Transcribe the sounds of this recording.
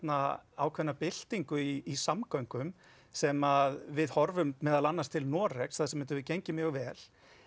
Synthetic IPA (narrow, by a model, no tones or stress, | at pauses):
naaːwkʰvɛnːapɪl̥t̪iŋkʏiːsamkœɥŋkʏm | sɛmaðvɪðhɔɾvʏmmːɛːðalanːast̪ʰɪlnɔːrɛksθaðsɛmɛnt̪ʏvɪðceɲcɪmjœːɣvɛːl̥